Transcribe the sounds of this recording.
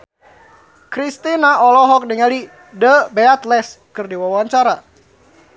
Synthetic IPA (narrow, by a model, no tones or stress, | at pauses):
kɾist̪inaɔlɔɦɔk̚niŋali | dəbɛat̪lɛskɨrdiwawaɲt͡ʃaɾa